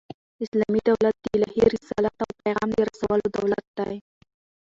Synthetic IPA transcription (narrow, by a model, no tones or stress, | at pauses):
ɪslɑmid̪awlat̪̚d̪əɪlɑhiɾɪsɑlat̪awpajɣɑmd̪əɾasawəlod̪awlat̪̚d̪̥aj